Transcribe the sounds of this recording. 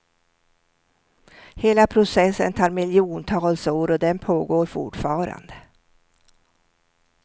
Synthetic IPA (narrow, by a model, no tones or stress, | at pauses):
heːlapʰɾʊsɛsːə̰nt̪ʰɑːɾmɪljuːnt̪ʰɑːlsoːɾɔd̪ɛnpʰoːɡoːɾfʊ̰ʈfɑːɾa̰nd̪ə